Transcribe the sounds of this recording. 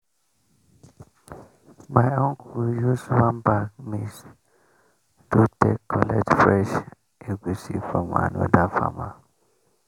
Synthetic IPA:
majɔ̃ŋkʰujusuwãnbakmis | dutɛkʰːɔlɛtfɾɛʃ | eɡusifama̰no̰dafa̰ma

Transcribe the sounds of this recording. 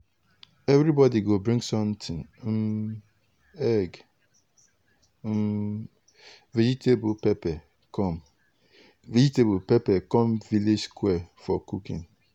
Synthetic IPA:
ɛvɾibɔdiɡobɾĩŋsɔ̃ntʰɪ̃nm̩ | ɛɡ | m̩ | ved͡ʒitʰebupɛpɛ | kɔm | vid͡ʒitebupepɛkɔ̃mviled͡ʒskwɛfɔkukḭ̃n

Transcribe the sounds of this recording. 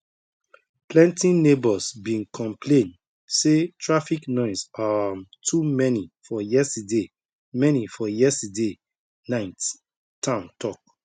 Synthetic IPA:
plɛ̃ntĩnnebɔsbĩnkʰɔ̃mpʰlẽnd | setʰɹafiknɔ̃ɪsatʰumɛnifɔjɛstade | mɛnifɔjɛstade | nãɪt | tʰːãʊ̃ntʰɔk̚

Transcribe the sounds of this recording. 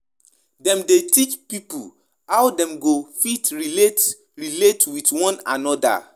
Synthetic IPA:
dɛ̃mdetit͡ʃpipṵ | hawdɛ̃mɡofitɹilet | ɹiletwitwɔ̃nã̰nɔda̰

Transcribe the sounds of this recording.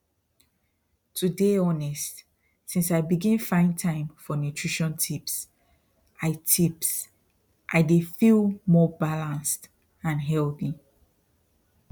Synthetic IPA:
tʰudeɔnɛst | sĩnsaɪbiɡĩnfãɪ̃ntʰãɪ̃mfɔnutʰɹ̥iʃɔ̃ntʰips | ʔaɪtʰips | ʔaɪdefilˠmɔbalãnst | ãnɦɛlˠθi

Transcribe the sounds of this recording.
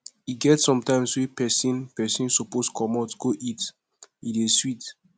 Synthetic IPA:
iɡɛtsɔ̃mtãɪ̃mswepɛsĩnpɛsĩnsoposkʰɔmɔtɡ̥oʔit | ideswit

